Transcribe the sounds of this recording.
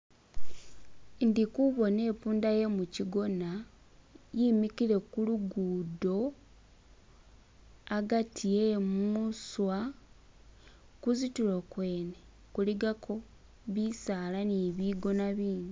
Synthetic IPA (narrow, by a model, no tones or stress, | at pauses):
ndikuβo̞ne̞ːpuːndaje̞muciɡo̞na | jimikile̞kuluɡuːdo̞ | aɡatʰijemuswa | kuzitulokwe̞ːne | kuliɡakʰo̞ | βisaːlaniβiɡo̞naβiːni